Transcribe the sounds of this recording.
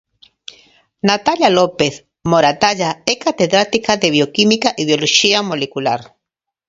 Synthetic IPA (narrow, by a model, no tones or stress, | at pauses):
nat̪aʎjalopes | moɾat̪aʎaekat̪eðɾat̪ikaðeβjokimikaʔiβjoloʃiamolekulaɾ